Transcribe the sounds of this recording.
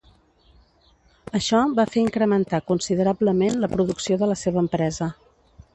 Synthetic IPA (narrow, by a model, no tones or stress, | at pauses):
əʃɔbafeɾiŋkɾəmənt̪akunsiðəɾabləmenləpɾuðuksioðələseβ̞əːmpɾɛzə